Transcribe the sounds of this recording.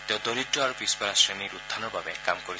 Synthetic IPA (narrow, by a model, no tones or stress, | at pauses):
t̪eud̪oɾiʈːɔaɾɔpispɔɾasɾeniɾud̪ʱːanɔbʱabekamkɔɾi